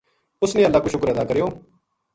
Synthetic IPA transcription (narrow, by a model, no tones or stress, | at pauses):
ʊsnĩːəlːaːkʊʃʊkəɾɛːd̪aːkəɾjoː